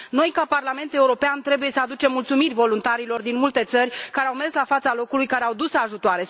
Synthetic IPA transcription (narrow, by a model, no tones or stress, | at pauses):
no̞jkaparlame̞nt̪e̞uɾo̞peant̪ɾe̞buje̞səad̪ut͡ʃe̞mːult̪sumirʲvo̞lunt̪aɾilo̞rd̪inmult̪e̞t̪sərʲkaɾeawme̞rslafat̪salo̞kulujkaɾeawd̪usaʒut̪oaɾe̞